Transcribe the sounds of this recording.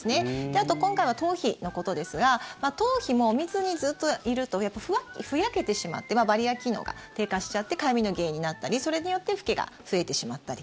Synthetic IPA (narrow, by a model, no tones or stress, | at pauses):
sɨne̞d̪̥e̞at̪o̞kõ̞ŋkaiβ̞at̪o̞ːçino̞ko̞t̪o̞d̪e̞sɨɡamat̪o̞ːçimo̞mʲizɨɲ̟izɨt̪ːoiɾɯ̟t̪o̞japːaɸɯ̟kʲɸɯ̟jake̞t̪e̞ɕima̰t̪ːe̞mabaɾʲiakʲino̞̰ːɡa̰t̪e̞ːkaɕi̥t͡ɕat̪ːe̞kaimʲino̞ɡe̞ːɲ̟inat̪ːaɾʲiso̞ɾe̞ɲijo̞t̪ːe̞ɸɯ̟̥ke̞ɡa̰ɸɯ̟e̞t̪e̞ɕimat̪ːaɾʲi